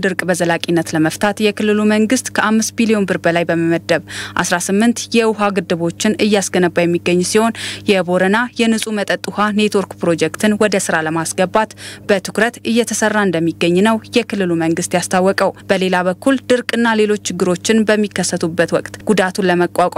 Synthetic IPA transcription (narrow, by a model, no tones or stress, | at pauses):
d̪ɨɾkʼbəzəlakʼinːət̪ləməft̪ʰat̪jɛkɨlːɨluməŋɡɨst̪kʰəʔamːɨst̪̚bilijo̞nbɨɾbəlajbəməməd̪ːəβʔa̰sɾasɨmːɨnt̪jɛwʊɦaɡɨd̪ːɨβo̞t͡ʃːɪnɨjːasɡənəbːajɛmːiɡːəɲːsiho̞njɛbo̞ɾənajɛnɨsʼumət̪ʼət̪ʼːuhane̞t̪woɾkpɾo̞d͡ʒɛkt̪ʰɨnwɔd̪əsɨɾaləmasɡəbat̪b̥ət̪ʰɨkɾət̪ɨjːɛt̪ʰəsərːaɨnd̪əmːiɡːəɲːnəwjɛkʰɨlːɨluməŋɡɨst̪jast̪ʰawːɔkʼəwb̥əle̞laβəkːuld̪ɨɾkʼɨnːale̞lo̞t͡ʃːt͡ʃːɪɡːɨɾo̞t͡ʃːɪnbəmːikːəsːət̪ʰubːət̪wɔkʼt̪ɡ̥ud̪at̪ʰuləməkʼakʼ